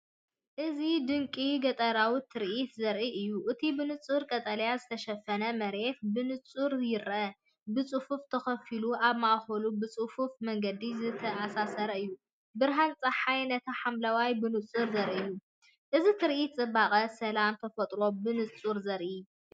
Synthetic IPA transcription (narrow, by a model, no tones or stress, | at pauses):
ʔɨzid̪ɨŋkʼiɡɐt̪ʼɐɾawit̪ʰɨɾʔit̪zɐɾʔiɨjːuʔɨt̪ʰibɨnɨt͡sʼːuɾkʼɐt̪ʼɐlɐjazɨt̪ʰɐʃɐfɐnɐmɐɾe̞t̪̚bɨnɨt͡sʼuɾjɪɾʔɐ | bɨt͡sʼɨfuft̪ʰɐxɐfiluʔaβmaʔxɐlubɨt͡sʼɨfufmɐŋɡɐd̪izɨt̪ʰɐasasɐɾɐɨjːu | bɨɾɦant͡sʼɐħajnɐt̪ʰɐħamlawajbɨnɨt͡sʼuɾzɐɾʔijːu | ʔɨzit̪ʰɨɾʔit̪t͡sʼɨbaχʼɐsɐlamt̪ʰɐfɐt̪ʼɾo̞bɨnɨt͡sʼuɾzɐɾʔi